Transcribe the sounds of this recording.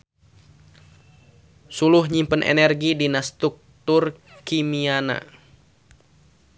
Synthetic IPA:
sulʊhɲimpənʔɛ̰nɛrɡidinast̪uk̚t̪ʊr | kimiana̰

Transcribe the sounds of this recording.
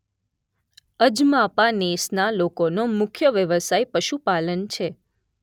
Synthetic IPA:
əd͡ʒmapanesnalokonomʊkʰjəʋjəʋəsajpəʃupalənt͡ʃʰe

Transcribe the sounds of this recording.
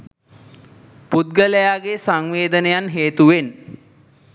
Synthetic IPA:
put̪̚ɡələjaːɡesaŋʋeːd̪ənejanɦeːt̪uʋen

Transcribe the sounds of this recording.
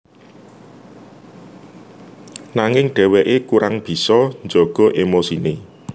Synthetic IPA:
naŋɪŋɖ̥ɛ̤wɛʔekuɾaŋb̥i̤sɔɲd͡ʒɔɡ̥ɔ̤ʔemosine

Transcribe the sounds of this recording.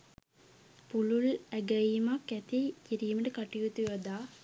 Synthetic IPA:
pululæɡɐimakːæt̪ikiɾijməʈəkaʈijut̪ujɐd̪aː

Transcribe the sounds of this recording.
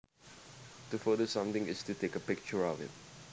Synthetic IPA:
tufədəsãmt̪ɪ̃ŋɪstutekəpɪk̚t͡ʃəɹɔvɪ̰t̚

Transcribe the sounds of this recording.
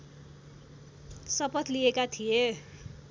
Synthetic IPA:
sʌpʌt̪liekat̪ʰije

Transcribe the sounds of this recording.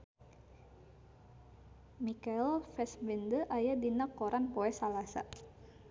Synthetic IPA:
mikailfɛsmɛndəʔajadinakoɾʔanpɔɛsalasa̰

